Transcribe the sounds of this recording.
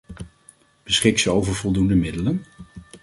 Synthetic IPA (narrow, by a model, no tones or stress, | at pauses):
b̥əsχɪksəowvəɹvɔlˠdundəmɪdələn